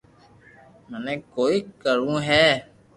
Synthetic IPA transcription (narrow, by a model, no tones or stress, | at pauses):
mənẽːkoːiːkəɾũːɦɛː